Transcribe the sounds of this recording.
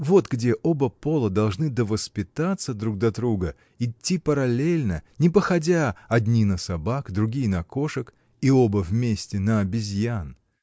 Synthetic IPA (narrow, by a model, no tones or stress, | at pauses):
vo̞t̪ɡdʲe̞ʔo̞bəpo̞lˠəd̪ɐlˠʐnɨd̪əvəspʲɪt̪at̪səd̪ɾuɡ̚d̪ɐd̪ɾuɡə | ɪtʲːipəɾɐlʲelʲnənʲɪpəxɐdʲaɐd̪ʲnʲinəsɐbakd̪ɾʊɡʲijənɐko̞ʂɨk | io̞bəvmʲesʲtʲɪnəɐbʲɪzʲjan